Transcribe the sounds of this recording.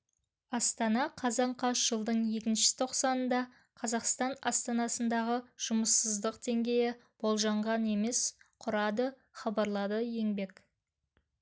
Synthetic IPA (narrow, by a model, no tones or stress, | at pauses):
ɑst̪ɑnɑqʰɑzɑɴqʰɑʃʒ̥əlˠd̪əɴje̞kʲɪnʃɪ̥t̪ʰo̞qsɑnənd̪ɑ | qʰɑzɑqst̪ɑnɑst̪ɑnɑsənd̪ɑʁəʒ̥ʊməsːəzd̪əqd̪̥e̞ŋɡʲe̞jɪb̥o̞lˠʒɑɴʁɑne̞me̞sqʰʊɾɑd̪ə | χɑbɑɾlˠɑd̪əje̞ŋbe̞k